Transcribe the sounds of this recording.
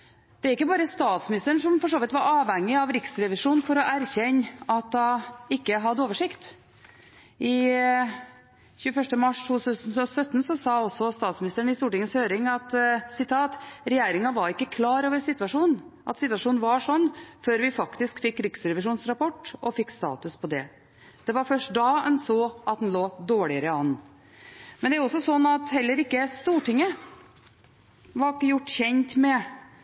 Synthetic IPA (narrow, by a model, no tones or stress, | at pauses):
d̪̥ɛæɾɪkːəbɑːɾəst̪ɑːt̪smɪnɪst̪əɳʂɔmfɔʂoːʋɪt̪ʋɑɾɑːʋhɛŋːɪɑʋɾɪksɾɛʋɪʂuːnfɔɾɔʔæɾçɛnːɑt̪̚d̪ɑɪkːəɦɑd̪ːoːʋəʂɪkt̪ | ʔɪ | çʉːfœʂʈəmɑʂt̪ʰuːt̪ʰʉsənɔsœt̪ːn̩sɔsɑːɔsɔst̪ɑːt̪smɪnɪst̪əɳɪst̪uːʈɪŋːəshøːɾɪŋɑt̪sɪt̪ʰɑːt̪ɾɛjeːɾɪŋɑʋɑɾɪkːəkʰlɑːɾoːʋəɾsɪt̪ʋɑʂuːnʔɑt̪sɪt̪ʋɑʂuːnn̩ʋɑʂɔnːføːɾʋɪfɑkt̪ɪskfɪkːɾɪksɾɛʋɪʂuːnsɾɑpɔʈːɔfɪkːst̪ɑ̰ːt̪ʉspʰɔd̪ɛ̰ | d̪̥ɛʋɑɾfœʂʈ̚d̪ɑːɛnsoːʔɑt̪̚hnloːd̪oːɭɪəɾəɑnː | mɛnd̪ɛæɾjʊɔsːɔsɔnːɑt̪hɛlːəɾɪkːəst̪uːʈɪŋːə | ʋɑɾɪkːəjʊʈːçɛnt̪mɛ